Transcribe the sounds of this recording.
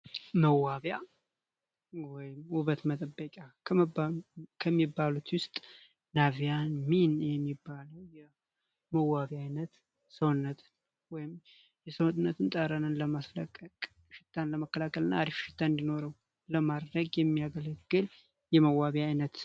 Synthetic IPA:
məwːaβja | wɔjɪmuβət̪mət̪ʼəbːəkʼakʰə | kʰəmːibːalut̪wʊst̪ʼ | navijanminjɛmːibːaləwjɛ | məwːaβiajnət̪ | səwnːət̪ | wɔjɪm | jɛsəwnɨnːət̪ʰɨnt̪ʼaɾanɨnləmasləkʼːəkʼ | ʃɪt̪ʰːanləməkːəlakʰəlɨnːa̰ad̪ifʃɪ̥t̪ʰːand̪ino̞ɾəw | ləmad̪ɾəɡjɛmːijaɡələɡɡɨl | jɛməwːaβiajnət̪

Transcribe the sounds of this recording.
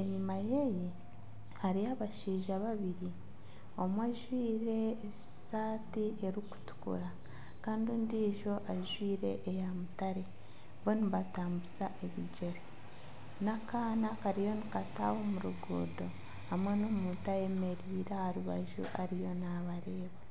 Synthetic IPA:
eɲumaje̞je | haɾiaβaʃiːʒaβaβiɾi | o̞mwaʒwiːɾe̞ː | saːtieɾiku̥tu̥kṵɾa | kaːndiundiːʒo̞ʔaʒwiːɾe̞ʔːjamutaɾe̞ | βoniβataːmbusaʔeβiɟe̞ɾe | nakaːnakaɾijo̞nikataːwomuɾuɡṵːdo̞ | hamwenomutaje̞me̞ɾiːɾahaɾuβa̰ʒṵʔaɾijo̞naβaɾe̞ːβe

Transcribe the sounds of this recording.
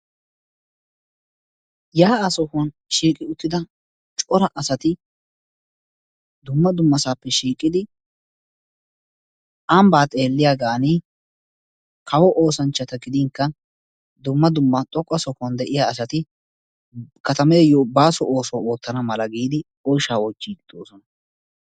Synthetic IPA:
jaːasɔhɐn | ʃiːkʼɪʊt̪ːɪd̪ɐ | t͡ʃʼɔɾɐʔɐsɐt̪ɪ | d̪ʊmːɐd̪ʊmːɐsaːpːɛʃiːkʼːɪd̪ɪ | ʔɐmbaːt̪ʼeːlːɪjaɡaːniː | kʰɐwɔʔoːsɐnt͡ʃːɐt̪ɐɡɪd̪ɪŋkːɐ | d̪ʊmːɐd̪ʊmːɐt̪ʼɔkʼːɐsɔkʊɐnd̪ɛʔɪjaːsɐt̪ɪ | kɐt̪ɐmɛjobaːsɔʔo̞ːsɔwoːt̪ːɐnɐmɐlɐɡiːd̪ɪ | ɔjʃaːɔt͡ʃːiːkʼɪd̪oːsɔnɐ

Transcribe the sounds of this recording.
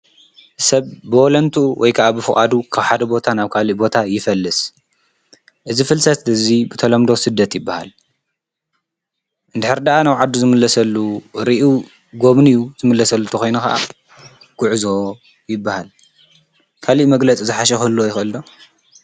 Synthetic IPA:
sɐβbɨolɐnt̪ʰuwʔɔjkʰaʔabɨfɨkʼa̰d̪ukʰaβħad̪ɐbo̞t̪ʰanaβkʰaliʔbo̞t̪ʰajɪfɐlːɨs | ʔɨzifɨlsɐt̪ɨzibɨt̪ʰɐlɐmd̪osɨd̪ːɐt̪jɪbːaha̰l | ʔɨnd̪ɨħɨɾd̪aʔanawʕad̪ːuzɨmɨlːɐsɐlːuɾiʔu | ɡo̞βnijuzɨmɨlːɐsɐlːut̪ʰɐxo̞jnuxa̰ʔa̰ | ɡ̥ʊʕzo̞ | jɪbːahal | kʰaliʔmɐɡlɐt͡sʼizɨħaʃ̬ɛxɨlːojɪxɨlːo

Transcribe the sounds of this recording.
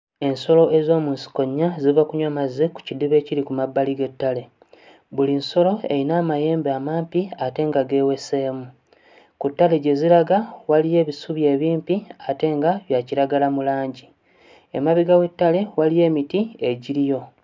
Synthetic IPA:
e̞nso̞lo̞ʔe̞zo̞ːmuːnsi̥ko̞ɲːazivakuɲwamazːeku̥cidiβe̞ːciɾikumabːaliɡetːale̞ | βulinso̞lo̞e̞̰inaːmaje̞ːmbamaːmpiate̞ːŋɡaɡe̞ːwe̞se̞ːmu | kutːale̞ɟe̞ziɾaɡawalije̞ːβisuβje̞ːβiːmpiate̞ŋɡaβjaciɾaɡalamulaːɲɟi | ḛmaβiɡawe̞tːale̞walije̞ːmitie̞ɟiɾijo̞

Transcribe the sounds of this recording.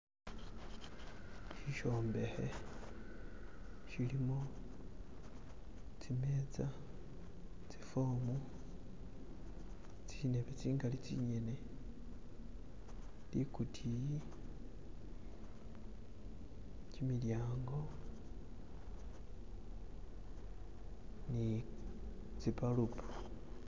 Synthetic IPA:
ʃiʃo̞ːmbe̞he̞ | ʃilimo | t͡sime̞ːt͡sa | t͡sifo̞ːmu | t͡sine̞βet͡siːŋɡalit͡sḭɲe̞ne̞ | likutʰiji | cimiljaːŋɡo̞ | ni | t͡sipalupʰḁ

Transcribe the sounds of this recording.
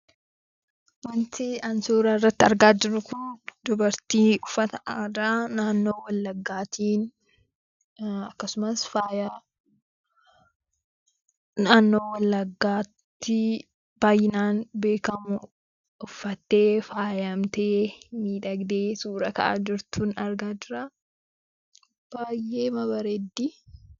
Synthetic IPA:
wɐnt̪ɪɐnsuːɾaːɪrːɐt̪ːɪɐɾɡaːd͡ʒɪɾʊkʊnd̪ʊbɐɾt̪iːʊfːɐt̪ɐʔaːd̪aːnaːnːo̞ːwɐlːɐɡːaːt̪ʰiːn | ɐkːɐsʊmɐsfaːjɐ | naːnːo̞ːwɐlːɐɡːaːt̪ːɪ | b̥aːjːɪnaːnbe̞ːkɐmʊ | ʊfːɐt̪ːe̞ːfaːjɐmt̪eːmiːᶑɐɡd̪eːsuːɾɐkɐʔa̰ːd͡ʒɪɾt̪uːnɐɾɡaːd͡ʒɪɾaː | b̥aːjːeːmɐbɐɾed̪ːi

